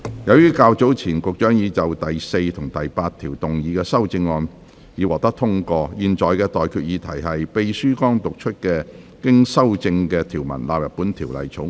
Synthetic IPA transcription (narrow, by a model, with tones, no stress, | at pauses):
jɐ˨˧wjyː˥kaː˧wt͡so˨˥wt͡sʰiː˨˩nkʊ˨k̚t͡ʃœː˨˥ŋjiː˨˧t͡sɐ˨wt̪ɐ˨jse˧jt̪ʰʊ˨˩ŋt̪ɐ˨jpaː˧t̪ʰiː˨˩wt̪ʊ˨ŋjiː˨˧kɛː˧sɐ˥wt͡sɪ˧ŋːɔː˧n | jiː˨˧wɔː˨k̚t̪ɐ˥k̚t̪ʰʊ˥ŋkɔː˧jiː˨˧nt͡ʃɔː˨jkɛː˧t̪ɔː˨jkʰyː˧t̚jiː˨˧˥t̪ʰɐ˨˩jhɐ˨jpe˧jsyː˥kɔː˥ŋt̪ʊ˨k̚t͡ʃʰɵ˥t̚kɛː˧ | kɪ˥ŋsɐ˥wt͡sɪ˧ŋkɛː˧t̪ʰiː˨˩wmɐ̰˨˩nlaː˨˧p̚jɐ˨t̚pːuː˨˥nt̪ʰiː˨˩wlɐ̰˨jt͡sʰo˨˥ŋ